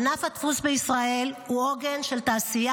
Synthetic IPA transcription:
nafhat̪fusbeisʁae̞lhuoɡe̞nʃe̞lt̪aːsija

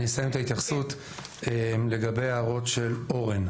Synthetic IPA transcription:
nesajemt̪ait̪jaχsut̪ | ele̞ɡabe̞jaːʁo̞tʃe̞lo̞ʁen

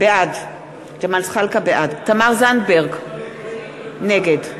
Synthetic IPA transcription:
b̥eʔad | d͡ʒamalsχalkabeʔadt̪amaʁzandbeʁɡ | neɡed

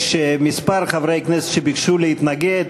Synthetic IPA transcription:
ʃemispaɾχavɾejknɛse̥t̪ʃebikʃulehit̪naɡed̪

